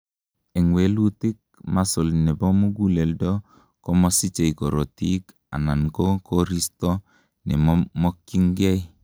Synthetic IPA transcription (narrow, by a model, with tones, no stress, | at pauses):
ɛ˨ŋwe˨lu˦tɪ˦k̚ma˦so˨lnɛ˨bɔ˦mu˦ɡu˦lɛ˨ldɔ˦ | kɔ˦mɔ˦si˦t͡ʃe˨ikɔ˨ɾɔ˨ti˦k | a̰˨na˨nko˦ko˦ɾi˦stɔ˦ | nɛ̰˨mmɔ˦kːi˦ŋɡe˦j